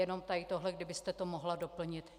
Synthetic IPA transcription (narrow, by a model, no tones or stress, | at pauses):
jɛno̞mt̪ajɪt̪oɦlɛɡdɪbɪst̪ɛt̪omoɦlado̞pl̩ɲɪt̪